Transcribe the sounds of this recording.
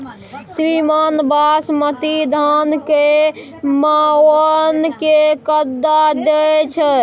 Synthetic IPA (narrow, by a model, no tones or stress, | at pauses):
sɾimaːnbasmət̪id̪ʱanke | mawənkekəd̪ːad̪et͡ʃʰə